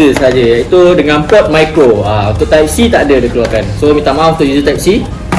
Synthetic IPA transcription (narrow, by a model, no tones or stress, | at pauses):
əsaɦad͡ʒəjait̪udəŋãnpɔt̪̚majkɾoaũnt̪ʊʔ̚t̪ajp̚sit̪aʔadədikəluakansomĩt̪amãũnt̪ʊʔjuzət̪ajip̚si